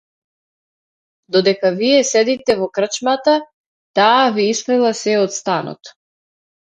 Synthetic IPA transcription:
d̪ɔd̪ɛkaviɛsɛd̪it̪ɛvɔkr̩t͡ʃmat̪a | t̪aːviist̪ɛlˠasɛɔt̪st̪anɔ̰t̪

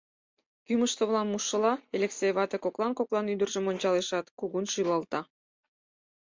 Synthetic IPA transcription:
kyməʃt̪ŏβlˠɑnmuʃːə̆lɑelʲeksejβɑt̪ekoklˠɑnkoklˠɑnyd̪ərʒə̆monʲt͡ɕɑleʃɑt̪kuɣunʃujlˠɑlt̪ɑ

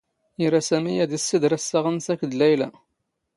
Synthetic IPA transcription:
iɾasæmijæd̪isːid̪ɾæsːaʁənsækːd̪læjlæ̰

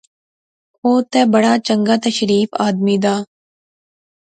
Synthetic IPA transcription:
oːt̪ɛːbəɽaːt͡ʃəŋɡaːt̪əʃɾiːfaːd̪miːd̪aː

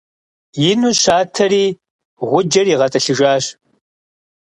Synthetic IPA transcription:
jɪnuːʃaːtʰɐriː | ʁʷʊd͡ʒɐriʁɐtʼɐɬɨʒaːɕ

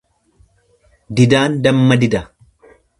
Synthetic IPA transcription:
d̪ɪd̪aːnd̪ɐmːɐd̪ɪd̪ɐ

